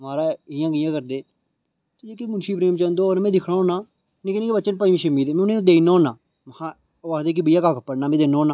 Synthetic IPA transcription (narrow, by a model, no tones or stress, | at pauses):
maːɾaːɪjãːɡɪjãːkəɾd̪eː | t̪ed͡ʒeːkemʊnʃiːpɾeːmt͡ʃãːnd̪oːonmɛ̃ːd̪ɪkʰɽaːoːnaː | nĩkenẽːkebəːt͡ʃənpəimiʃəmiːd̪eːmẽʊnẽːõd̪einoːnãː | mhã | aːd̪eːk̬ibəijaːkaːkʰəpːəɽnaːmɛ̃ːd̪eːnaoːnaː